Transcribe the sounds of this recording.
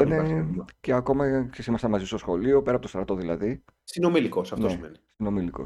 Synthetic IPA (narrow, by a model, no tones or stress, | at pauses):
ineceɐko̞mɐksesimɐsɐnmɐzist̪o̞sxo̞lio̞pe̞ɾɐpot̪ost̪ɾɐt̪o̞ðilɐði | sinomilikosɐfnt̪oesimḛnisino̞miliko̞̰s